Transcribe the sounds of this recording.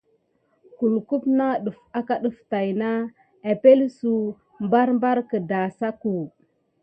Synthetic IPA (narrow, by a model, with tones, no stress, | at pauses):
ku˨lku˦pna˦ɗu˨fa˦ka˦ɗu˨fta˨jna˦ | a˨pe˦lsu˨ | mba˦ɾmba˦ɾkə˨da˨sa˦ku˨